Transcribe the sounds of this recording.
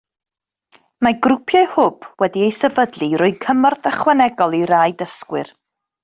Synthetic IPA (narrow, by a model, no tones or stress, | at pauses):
maɡrʊpʰjaɨhʊb̥wɛdiejsɛvədlˠiɾʊɨkʰəmɔrθəχwɛnɛɡɔlˠiɾaːjdəskwɪr